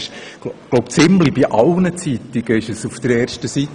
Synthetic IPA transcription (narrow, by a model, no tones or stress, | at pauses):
ʃɡ̥loʊpt͡sɪmlibiʔɑlnət͡sit̪iɡ̥əɪʃəsufd̪̥əɾɛːɾʃtəsit̪